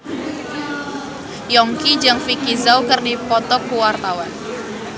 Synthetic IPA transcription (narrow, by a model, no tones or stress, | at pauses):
jɔŋkid͡ʒaŋfikizawkɨrdipɔt̪ɔkuwart̪awan